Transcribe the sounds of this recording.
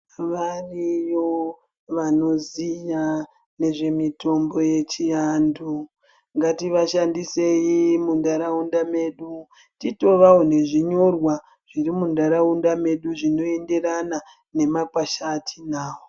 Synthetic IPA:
ʋarijo | ʋano̞zija | ne̞ʐe̞mito̞mbo̞je̞t͡ʃiandu | ŋɡatiʋaʃandise̞jimundaɾaundame̞ɗu | tito̞ʋawone̞ʐiɲo̞rwa | ʐ̥irimundaɾaundame̞ɗuʐino̞e̞nde̞rana | ne̞makwaʃatʰinaːwo

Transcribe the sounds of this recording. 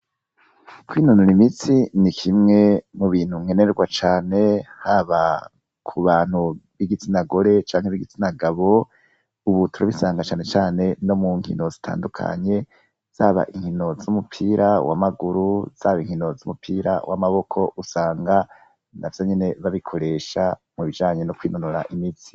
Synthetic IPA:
kʰwiːnunuɾimit͡sinikʰimŋe̞muβiːn̥huŋ̥e̞neɾɡwat͡ʃaːne̞haβa | kʰuβaːn̥huβiɡit͡sinaɡo̞ɾe̞t͡ʃaːŋheβiɡit͡sinaɡaβo̞ | uβutʰuɾaβisaːŋɡat͡ʃaːne̞t͡ʃaːne̞no̞muŋhḭno̞zitʰa̰ːndukʰa̰ɲe̞ | z̥aːβa̰ʔiŋhino̞zumupʰiːɾawa̰maɡuɾuz̥aːβiŋ̥ino̞zumupʰiːɾa̰wʔa̰maβo̞kʰo̞ʔusaːŋɡa | navjo̞ɲe̞ne̞βaβikʰo̞ɾe̞ʃamuβid͡ʒaːɲe̞nokwiːnunuɾa̰ʔimit͡si̥

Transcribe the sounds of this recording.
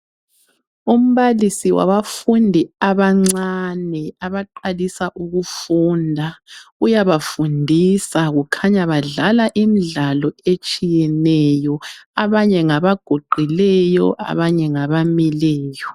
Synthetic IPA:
um̩βalisiwa̰βafundʱiaβaŋ͡ǀanɛaβaǃalisaʔuɣufundʱaujaβafundʱisaɣukʰaɲaβaɮalaʔimiɮalɔet͡ʃʼijɛnɛjɔaβaɲɛŋaβaɡ̥ʱoɡ͡ǃʱilɛjɔʔa̰βaɲɛŋaβamilɛːjɔ

